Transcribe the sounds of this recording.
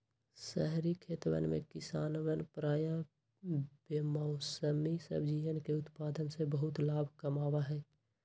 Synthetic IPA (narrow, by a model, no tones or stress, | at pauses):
sɛɦɾikʰeːt̪ʋə̰nmḛ̃kɪsaːnʋənpɾaːjã | b̥emaʊsəmisə̰bd͡ʒijənkeʊt̪paːd̪ənsebəɦʊt̪laːbʱkəmaːwaɦɛː